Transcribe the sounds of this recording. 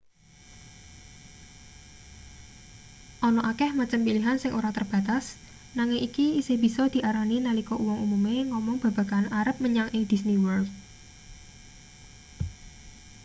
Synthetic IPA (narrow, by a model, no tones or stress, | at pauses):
ʔɔnɔʔakɛhmat͡ʃəmpiliɦansɪŋʔoɾat̪ərb̥a̤t̪as | naŋɪŋʔikiiseb̥i̤sɔd̪̥i̤ʔaɾaninalikɔuwɔŋumumeŋɔmɔŋb̥a̤ba̤kanaɾəp̚məɲaŋʔɪŋd̪̥i̤sniwərt̚